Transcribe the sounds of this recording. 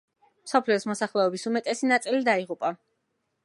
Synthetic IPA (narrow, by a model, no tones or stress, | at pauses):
msɔpʰliɔsmɔsaχlɛɔbisumɛt̪ʼɛsinat̪sʼilid̪aiʁupʼa